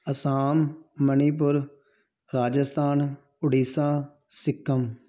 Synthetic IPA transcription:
əsaːmːəniːp̬ʊɾ | ɾaːd͡ʒəst̪ʰaːn | ʊɖiːsãː | sɪkːəm

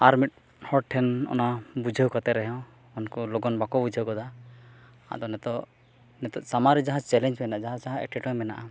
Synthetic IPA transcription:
aɾmiʈ̚ | hɔʈʰɛnɔ̰nabud͡ʒʱəwkɔt̪ɛɾɛɦɔ̃ | ɔnkɔlɔɡɔnbakɔbud͡ʒʱəwkɔd̪a | a̰d̪ɔnɛt̪ɔ | nɛt̪ɔʔsamaɾid͡ʒaɦãt͡ʃɛlɛnd͡ʒmɛnaʔad͡ʒaɦãd͡ʒaɦãɛ̰ʈɛʈɔmɛna̰ʔa

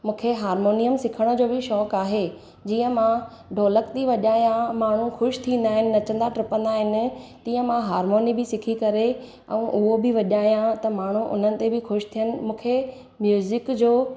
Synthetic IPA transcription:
mũːkʰeɦaːɾmoːnijəmsɪkʰəɽ̃ə̆d͡ʑoːbɪʃɔːkaːɦe | d͡ʑiːə̃mã | ɖoːləkt̪iʋɐʄaːjãmaːɳ̤uxʊʃt̪ʰĩːn̆d̪aːɦɪnɪnɐt͡ɕə̃nd̪aʈɾɪpə̃nd̪aːɦɪnɪ̆t̪ĩːə̃mãɦaːɾmoːnibɪsɪkʰikɐɾe | ɛ̰̃ːʔʊɦobɪʋɐʄaːɦjãt̪ɐmaːɳ̤uʔʊ̰n̤ənɪ̆t̪ebɪxʊʃt̪ʰijənɪ̆mũːkʰe | mjuːzɪkd͡ʑoː

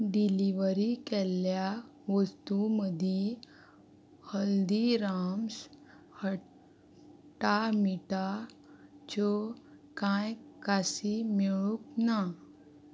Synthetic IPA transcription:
ɖiliʋəɾikɛljaʋəst̪uməd̪ʱi | həld̪iɾams | hə | ʈamiʈa | t͡ʃokãjkasimiɭukna

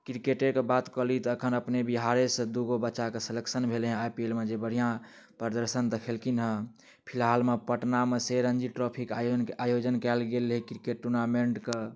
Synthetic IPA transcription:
kɾikeʈekebat̪kɔlit̪ːkʰənəpnebiɦaɾesə̃d̪uɡobətːʃakesələksənbʱelɦẽajpielmed͡ʒebəɽ̤ijã | pəɾd̪əɾsənd̪əkʰelkinɦə̃ | pʰilɦalmepəʈnameseɾənd͡ʒiʈɾɔpʰikjnajod͡ʒənkɛlɡelɦekɾikeʈːuɾnameɳʈke

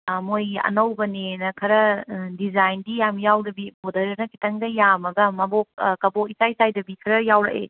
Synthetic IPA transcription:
mojɐ̰nɐwbɐninɐkʰɐɾɐdizajndijamjawdɐbibodɐɾɐnɐkʰi̥tɐŋdɐjamɐɡɐmɐbok̚kɐbokisajsajdɐbikʰɾɐjawɾɐ̰ʔḛ

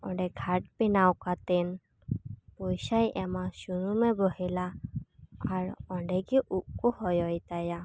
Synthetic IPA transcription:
ɔ̰̃ɳɖɛɡʱaʈ̚pinawkat̪ɛn | pojsajʔɛmasunumɛbɔhilaː | ɹɔ̃ɖɛɡiʔuʔkuhɔjɔjt̪aja

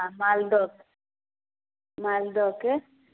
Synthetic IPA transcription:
amald̪ɔk | mald̪ɔke

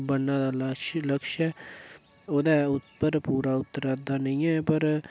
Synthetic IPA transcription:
bənːãːd̪aːləʃləkʃɛː | oːd̪aːʊt̪pəɾpuːɾaːʊt̪ːəɾaːd̪aːnəĩːɛːpəɾ

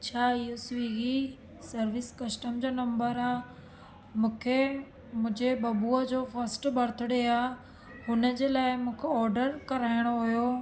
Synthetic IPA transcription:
t͡ɕʰaːɪɦosʋiɡi | sɐɾʋɪskɐsʈəmd͡ʑoːnɐ̃mbəɾaː | mũːkʰe | mʊ̃ɦɪ̃d͡ʑebɐbuəd͡ʑoːfɐɾsʈbʱɐɾt̪ʰʊɽeaː | hʊnə̆d͡ʑeːlaːɪmũːkʰeɔːɾɖəɾkɐɾaːɪɽ̃oɦʊjoː

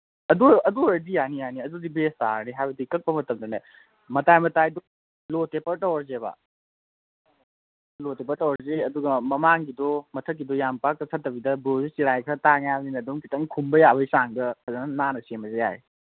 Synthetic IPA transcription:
ɐduɐduɾɐdijanijaniɐdudibesta̰ɾniɦajbɐdikɐk̚pɐmɐtɐmdɐna | mɐtajmɐtajdɔ | lotepɐɾtɐwɾzeba̰ | lotep̬ɐɾtɐwɔɾzeɐduɡɐmɐmaŋɡidɔmɐtʰək̬̚ːidɔjampak̚tɐsʰɐtːɐbidɐbozisiɾajkʰɾɐtaŋjaninɐduŋkʰitɐŋkʰumbɐjaβɐjsaŋbɐkʰazanɐnanɐsemɐzeja̰jj

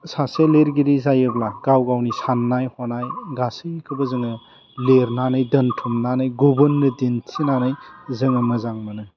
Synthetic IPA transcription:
saseleɾɡiɾizajɯblaɡ̥awɡawnisanːajhɔnajɡasɯjkʰɯbɯzɯŋɯ | leɾnanɯjdɐntʰumnanɯjɡubunːɯdintʰinanɯjzɯŋɯmɐzaŋmɐnɯ

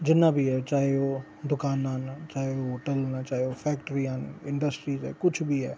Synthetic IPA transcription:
d͡ʑɪnãbiaːt͡ʃaːɦio | d̪ʊkaːnaːnt͡ʃaːɦioɦoːʈəlnt͡ʃaːɦijofɛːkʈɾiaːnɪ̃ɳɖəsʈɾiːzɛ̰ːkʊd͡ʒʱbiaː

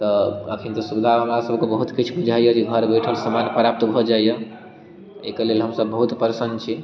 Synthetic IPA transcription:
t̪ɔə̰kʰint̪ɔsubid̪ʱaɦəmɾasəbkebəɦut̪kit͡ʃʰbud͡ʒʱaijəd͡ʒeɡʱəɾbeʈʰəlsəmanpɾap̚t̪bʱɔd͡ʒaijə | ḛkelelɦəmsəbːəɦut̪pɾsənt͡ʃʰi

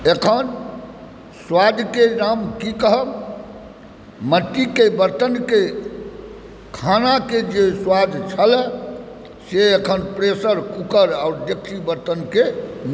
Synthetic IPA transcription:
ekʰən | swad̪ʱkenamkikəɦəm | məʈ̪ːikebəɾt̪ənke | kʰanaked͡ʒeswad̪ʱt͡ʃʰəlɛ | seekʰənpɾesəɾkukəɾaʊɾd̪eksibəɾt̪ənke

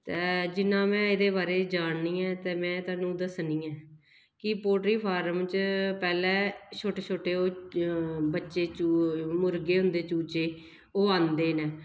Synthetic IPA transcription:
t̪eːd͡ʒɪnːãːmɛ̃ːɪd̪eːbaːɾeːd͡ʒaːɳniːɛ̃ːt̪eːmɛ̃ːt̪aːnːũːd̪əsnĩːɛː | kɪpoːʈɾiːpʰaːɾəmt͡ʃpɛːlɛːʃʰoːʈeːt͡ʃʰoːʈeːoː | bətːʃeːt͡ʃuːmʊɾɡeːɦʊ̃nd̪eːt͡ʃuːt͡ʃeː | oːãːnd̪eːnɛ̃ː

